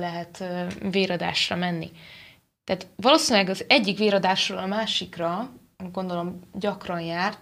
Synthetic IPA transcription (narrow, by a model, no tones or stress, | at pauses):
lɛɦɛt̪ːveːɾɒd̪a̰ːʃrɒmɛnːḭ | t̪ɛːt̪ʋɒloːsinlɛɡɒzɛɟːikʋeːɾɒd̪aːʃroːlɒmaːʃikrɒ | ɡo̞nd̪o̞lo̞mɟɒkrɒnjaːrt̪